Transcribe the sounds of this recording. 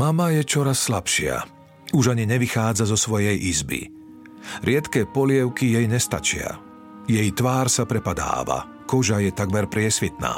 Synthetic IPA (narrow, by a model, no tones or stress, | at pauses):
mamajɛt͡ʃɔɾasːlapʃɪa̰ | uʒaɲiɲɛʋixaːd͡zazɔsʋɔjɛjʔizbḭ | ɾʔɪɛt̪kɛːpɔlɪɛʊkijɛjɲɛst̪a̰t͡ʃɪa̰ | jɛjt̪ʋaːɾsapɾɛpad̪a̰ːʋa̰ | kɔʒajɛt̪aɡmɛɾpɾɪɛsʋit̪na̰ː